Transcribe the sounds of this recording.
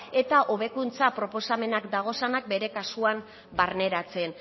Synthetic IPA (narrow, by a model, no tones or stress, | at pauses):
e̞t̪aʔo̞β̞e̞kunt͡sapɾo̞po̞same̞nakd̪aɣ̞o̞sanak̚be̞ɾe̞kasuam | baɾne̞ɾat͡se̞n